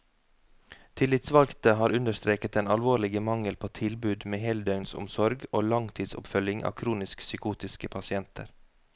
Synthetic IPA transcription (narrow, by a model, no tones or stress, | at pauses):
t̪ʰɪlɪt̪sʋɑlkt̪əhɑːɾʉnd̪əɾst̪ɾeːkət̪eːnɑlʋoːlɭɪɡəmɑŋəlpʰoːt̪ʰɪlbʉːd̪meːhɛld̪œʉnsʊ̰msɔɾɡoːlɑŋt̪ʰiːd̪sʊ̰pfœljɪŋʔɑ̰ːkʰɾuːnɪsksʏkuːt̪ɪskəpʰɑsɪɛnt̪ʰə̰ɾ